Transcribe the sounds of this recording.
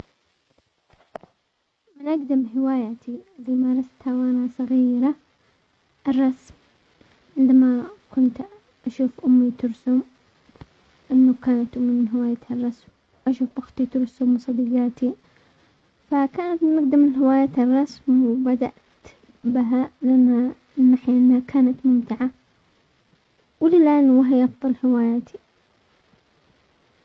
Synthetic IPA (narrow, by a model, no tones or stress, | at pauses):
mɪnʔaɡd̪ɪmɦɪwaːjat̪ilimɑɾˤɑst̪hawʔanasˤɑɣiːɾa | ʔɪrˤːɑsm | ʕɪnd̪amakʊnt̪ | ʔaʃuːfʔʊmːit̪ʊɾsʊm | ʔɪnːakaːnat̪ʔʊmːimɪnɦɪwaːjat̪harˤːɑsm | wʔaʃuːfʔʊxt̪ˤit̪ʊɾsʊmwsˤɑd̪iɡaːt̪ʰi | fakaːnat̪mɪmaɡd̪amɪnɦɪwaːjaːt̪arˤːɑsmwbad̪aʔt̪ | bɪɦalɪʔanːa | nːaħjaʔɪnːhakʰaːnat̪mʊmt̪ɪʕa | wɪlɪlʔanːwaɦɪjʔɑfðˤɑlhɪwaːjaːt̪ʰi